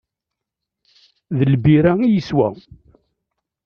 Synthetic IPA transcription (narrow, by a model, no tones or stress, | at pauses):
ðəlbiɾæijəswæ̰